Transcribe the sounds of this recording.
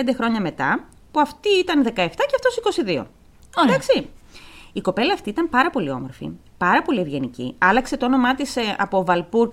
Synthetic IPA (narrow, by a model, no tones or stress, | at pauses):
nd̪exɾo̞ɲɐme̞t̪ɐ | puɐft̪iit̪ɐnðe̞kɐeft̪ɐceɐft̪o̞siko̞siðio̞̰ | dd̪ɐksi | iko̞pe̞lɐːft̪iit̪ɐmpɐɾɐpo̞lio̞̰mo̞ɾfḭ | pɐɾɐpo̞lie̞vʝe̞nicḭɐlɐkse̞t̪oono̞mɐt̪isɐ̰povɐlpuɾ